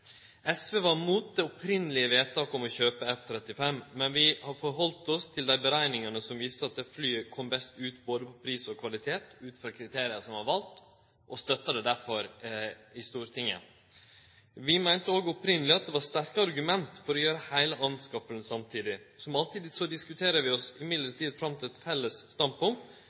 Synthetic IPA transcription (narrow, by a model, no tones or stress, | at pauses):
ɛsʋeːʋɑɾmuːt̪̚d̪ɛɔpʰɾɪnːəlɪəʋeːt̪ʰɑːkɔmɔçøːpəɛft̪ʰɾɛt̪ːɪfɛmmɛnʋɪhɑfɔɾɦɔlt̪ɔst̪ʰɪld̪æɪbəɾæɪnɪŋənəsɔmʋiːst̪əɑt̪̚d̪ɛflyːkʰɔmbɛst̪ʉːt̪boːd̪əpʰɔpʰɾiːsɔkʰʋɑlɪt̪ʰeːt̪ʉːt̪fɾɑːkʰɾɪt̪ʰeːɾɪəsɔmhɑɾʋɑlt̪ | ʔɔst̪œt̪ːɑd̪ɛd̪æɾfɔɾ | ɪst̪uːɾt̪ʰɪŋːə̰ | ʋɪmæɪnt̪əoːɡəɔpɾɪnəlɪɑt̪̚d̪ɛʋɑɾst̪æɾkəɑɾɡʉmɛnt̪fɔɾɔjøːɾəhæɪləʔɑnskɑpəln̩sɑmt̪ʰiːd̪ɪ | sɔmɑlt̪iːd̪sɔd̪ɪskʉt̪ʰeːɾəʋɪɔsɪmɪd̪ləʈiːd̪fɾɑmt̪ʰɪlɛt̪fɛlːəsːt̪ɑnd̪̚pʊŋt̪